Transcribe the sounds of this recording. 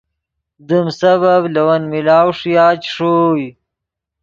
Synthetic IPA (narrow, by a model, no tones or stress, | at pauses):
d̪əmsɐβɐblɐwɐnmilaːwʂijaːt͡ʃʂoj